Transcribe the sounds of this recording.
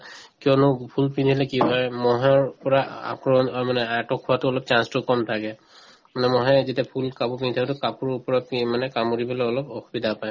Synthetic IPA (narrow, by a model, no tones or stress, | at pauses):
kijɔnʊpʰulpinʰilɛkiɦɔjmɔɦaɹpɔɹaa̰kɹɔmanɛatɔkʰːuwatʊɔlɔp̚t͡ʃanstʊkɔmtʰakɛ | manɛmɔɦɛzitapʰulkapɔpinitʰakɛtʊkapuɹupɔɹapimanɛkamuɹibɔlɛɔlɔpɔxubidapaj